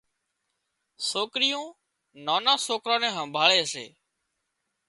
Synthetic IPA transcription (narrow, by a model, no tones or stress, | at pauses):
soːkɾɪjõː | naːnãːsoːkɾãːnɛ̃ːɦəmbʱaːɭeːəsḛː